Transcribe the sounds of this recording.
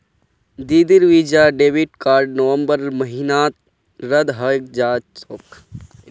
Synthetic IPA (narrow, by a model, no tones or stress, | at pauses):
d̪iːd̪iɾʋiːd͡ʒaːɖeːʋiʈkaːɾɖnəʋə̃mbəɾməɦinaːt̪̚ | ɾəd̪ɦək̚d͡ʒaːsok